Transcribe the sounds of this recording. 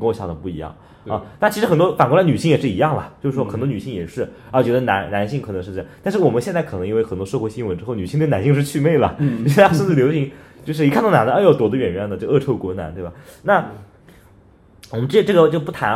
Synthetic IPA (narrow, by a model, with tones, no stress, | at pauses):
kɕja˥˩d̪ə˩pu˥˩i˧˥jɑ̰˥˩ŋ | ɐ˥˧˩na˥˩t͡ɕʰi˧˥ʂɻ̩˧˥xə˨˩nt̪wɔ˥fa˨˩nkla˧˥ny˨˩ɕi˥˩ŋjɛ˨˩ʂɻ̩˥˩i˧˥jɑ˥˩ŋlɐ˩t͡ɕjo˥˧ʊʂɻ̩˥˩ʂwɔ˥xə˨˩nt̪wny˨˩ɕi˥˩ŋjɛ̰˨˩ʂɻ̩˥˩˥t͡ɕɥɛ˧˥d̪ə˧na˧˥nna˧˥nɕi˥˧ŋʰkʰnɤ˧˥ŋʂɻ̩˧ɤ˥˧˩jɑ˥˩t̪a˥˧nʂɻ̩˥˩wɔ˨˩mə˦nɕjɛ˥˧nt͡skʰɤ˨˩nɤ˧˥ŋi˧˥we˥˩ɪxə˨˩nt̪wɔ˥ʂɤ˥˩xwɕi˥nwə˧˥nʈ͡ʂɻ̩˥xo˥˩ʊny˨˩ɕi˥˧t̪n˧˥ɕi˥˧ŋʂɻ̩˥˧t͡ɕʰy˥˧me˥˩ɪlə̰˩t͡ɕʂɑ˥ʂʂnt͡sɹ̩˥˩ljo˧˥ʊɕi˧˥ŋt͡ɕjʂɻ̩˥˩i˧kʰa˥˧nt̪ɑ˥˩ʊna˧˥ndə˧˥jo˥˩t̪wɔ˨˧˩d̪ə˦ɥɛ˨˩nɥɛ˥˩nd̪ə˩t͡ɕɤ˥˧˩ʔɤ˥˧˩ʈ͡ʂʰo˥˩ʊkwɔ˧˥na˧˥nt̪we˥˩ɪba˨˩na˥˩ | wɔ˨˩mə˦nʈ͡ʂɤ˥˩˦ʈ͡ʂɤ˥˩ɡə˩t͡ɕjo˥˧ʊpu˥˩t̪ʰa˧˥